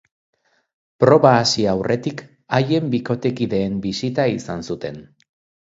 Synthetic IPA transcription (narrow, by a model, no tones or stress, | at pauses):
pɾo̞βaːsiawrʔe̞t̪ik | aje̞mbiko̞t̪e̞kiðe̞ːmbisit̪aisansut̪e̞n